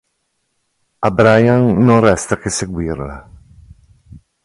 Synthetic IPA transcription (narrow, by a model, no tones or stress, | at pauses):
abɾajanːoŋrɛst̪akeseɡwiɾla̰